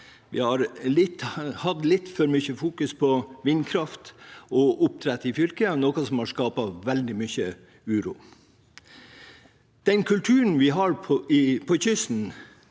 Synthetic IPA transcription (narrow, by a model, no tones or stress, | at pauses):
ʋɪ̰hɑɾlɪt̪ːhɑd̪lɪt̪ːfɔɾmʏçəfuːkʉspʰɔʋɪnkʰɾɑft̪ɔʔʊp̚t̪ʰɾɛt̪ːɪfjʏlkənoːkɑsɔmhɑʂkɑːpɑʋɛld̪ɪmʏçə | ʉːɾṵː | d̪̥ɛnkʰʉlt̪ʰʉːɾən̩ʋɪɦɑɾpʰɔʔɪpʰɔçʏsn̩